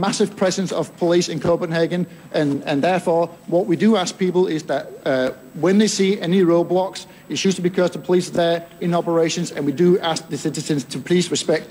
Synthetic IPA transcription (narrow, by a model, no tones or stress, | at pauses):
masɪv̥pʰɹ̥ɛzə̃nsə̰v̥pʰəlisɪ̃nkʰoʊpə̃nheɡə̃n | ʔə̃nə̃nðɛɹfɔɹ | wɒʔwidəask̚piˑpəl̩ˠɪzðəʔ | wə̃nðeɪsiːɛniɹoʊblɔks | ɪʃʉstəbikʰɜːztʰəpʰəlisəðə˞ɪ̃nɔpə˞eɪʃə̃nzə̰̃nwidəask̚ðəsɪɾɪzə̃nz̥tʰəpʰəliˑsɹɪspɛk̚t